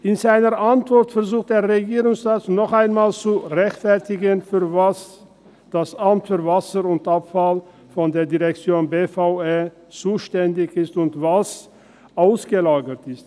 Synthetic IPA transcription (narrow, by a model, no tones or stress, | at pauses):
ʔɪnzaɪnəʔantv̥ɔɐtfɛɐzuːxt̚d̥eːɐʁeɡiːʁʊŋsʁaːtnɔχaɪnmaːlt͡suʁɛçtfɛɐtɪɡənfyːɐvas | d̥asʔamtfyːɐvasəʁʊntʔapfal | fɔndeːɐdiʁɛk̚t͡sjoːnbeːfaʊeː | t͡suːʃtɛndɪçɪstʊntvas | ʔaʊsɡ̥əlaːɡətɪst